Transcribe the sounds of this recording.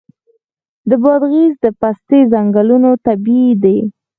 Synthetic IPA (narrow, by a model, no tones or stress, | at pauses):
d̪əbɑd̪ɣizd̪əpast̪ezaŋɡalunot̪abid̪e